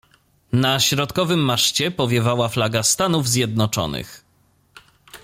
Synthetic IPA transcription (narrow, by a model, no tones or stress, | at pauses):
naɕɾɔt̪kɔvɘmːaʂt͡ɕɛpɔvʲjɛvawaflaɡast̪anuvzʲjɛd̪nɔt͡ʂɔ̰nɘ̰x